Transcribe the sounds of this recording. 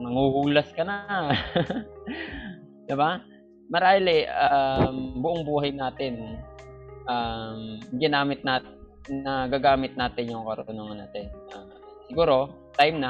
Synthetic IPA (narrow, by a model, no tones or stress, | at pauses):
nɐŋhuhuːlɐskɐna | d̪ɪba | mɐɾaːlɛʔambʊʔoŋbuːɦɐjnaːt̪ɪn | ʔamɡɪnaːmɪt̪̚naːtː | ɐɡaːɡaːmɪt̪̚naːt̪ɪnjʊŋkɐɾʊʊnoŋɐnaːt̪ɪnʔa | sɪɡuːɾo̞ | t̪ajmnɐ